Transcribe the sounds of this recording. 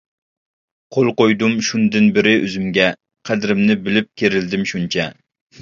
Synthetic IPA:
qʰolˠqojd̪umʃund̪ɪnbɪɾɪʔøzymɡʲɛ | qʰæd̪ɪɾɪmnɪbɪlɪp̚kʲʰeɾɪld̪ɪmʃunt͡ʃʰɛ

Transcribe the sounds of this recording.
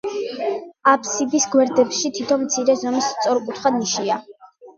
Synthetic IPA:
apsibisɡwɛɾd̪ɛpʃit̪ʰit̪ʰɔnmt̪sʰiɾɛzɔmist̪sʼɔɾkʼut̪ʰχad̪niʃia

